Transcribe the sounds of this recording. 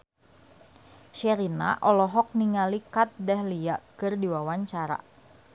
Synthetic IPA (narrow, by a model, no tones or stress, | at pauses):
ʃɛɾina̰ʔɔlɔɦɔk̚niŋalikat̪̚dɛhliakɨrdiwawaɲt͡ʃaɾa̰